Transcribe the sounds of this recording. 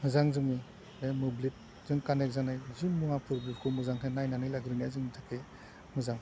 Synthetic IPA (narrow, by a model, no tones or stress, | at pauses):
mɯzaŋzɯŋi | nemɯblit̚ | z̥ɯŋkanek̚zanajzɯŋmuŋapʰɯɾbikʰɯmɯzaŋɦʰenajnanɯjlaɡɾinazɯŋitʰakʰe | mɯzaŋ